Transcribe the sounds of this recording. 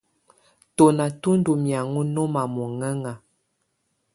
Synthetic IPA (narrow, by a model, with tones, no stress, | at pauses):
to˨na˨tu˦n˦du˨mja˨ŋu˦nɔ˦ma˨mɔ˨ŋɛ˦ŋa˨